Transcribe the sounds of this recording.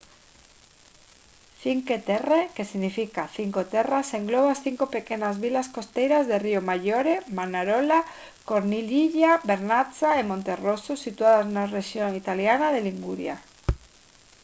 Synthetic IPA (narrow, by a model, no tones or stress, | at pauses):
θiŋket̪erekesiɣnifikaθiŋkot̪eraseŋɡloβ̞asθiŋkope̞kenazβilaskost̪ejɾazðeriomaʝoɾemanaɾola | koɾniliʎabeɾnat͡saemont̪e̞rososit̪uaðaznareʃjoŋit̪aljanaðeliŋɡuɾja̰